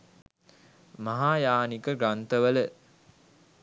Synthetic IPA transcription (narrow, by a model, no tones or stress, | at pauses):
maɦaːjaːnikəɡɾant̪əʋələ